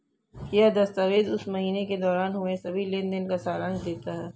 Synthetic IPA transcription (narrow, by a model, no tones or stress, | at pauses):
kijad̪ɐst̪aːʋeːd̪ʊsmɐɦiːneked̪ɔːɾaːnɦomẽsɐbʱilẽːnd̪ənkasaːɾə̃ŋɡd̪eːt̪aɦɛː